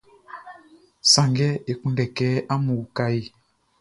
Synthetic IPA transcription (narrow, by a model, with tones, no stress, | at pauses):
sã˨ŋɡɛ˦e˨kũ˦ndɛ˨kɛ˦a˦mu˨ka˦i˨